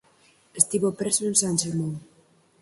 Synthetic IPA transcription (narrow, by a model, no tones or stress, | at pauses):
est̪iβopɾesoensanʲʃemoŋ